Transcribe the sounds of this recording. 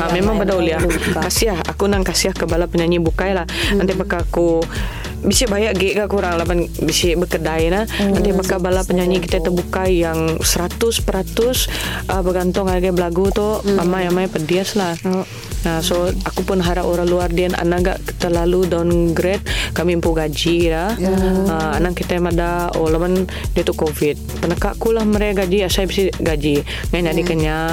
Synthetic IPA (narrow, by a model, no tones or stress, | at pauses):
amemaŋbədauliahkasiaha̰kunaŋkasiahkəbalapəɲaɲibukajlahant̪ibakaːku | bisɪbajaʔɡɛʔɡaʔkuɾaŋlamanbisɪbəkədajnanant̪abakabalapəɲaɲikit̪at̪əbukajjaŋsəɾat̪ʊspəɾat̪ʊsʔəbəɡant̪ʊŋadaɡabəlaɡut̪ʊamajamajpədiaslah | əsoakupʊnɦaɾaʔoɾaluardiana̰naɡa̰ʔkt̪əlaludaunɡɾɛt̪̚kamimpuɡad͡ʒilahəanakit̪amadao̰laman | diat̪ukofɪt̪̚pənəkaʔkulahməɾeaɡad͡ʒiasajbisiɡad͡ʒi | ŋajɲadikəɲa